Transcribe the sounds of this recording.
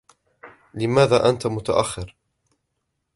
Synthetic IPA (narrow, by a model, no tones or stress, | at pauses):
lɪmaːðaːʔant̪amʊt̪a̰ʔaxːɪɾ